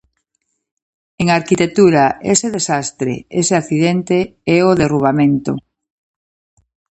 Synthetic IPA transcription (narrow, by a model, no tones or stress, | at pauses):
eŋaɾkit̪ek̚t̪uɾaeseðesast̪ɾḛeseakθiðent̪eɛoðeruβ̞amẽnt̪o̰